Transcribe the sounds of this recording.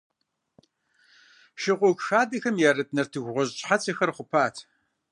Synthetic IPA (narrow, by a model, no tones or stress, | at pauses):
ʃɪqʷɔkʷxaːdɐxɐmjɛrɨt̚ʼnɐrtʰɨɣʷʁʷɔʑt͡ʃʼħat͡sʰɐxɐrχʷʊpʰaːtʰ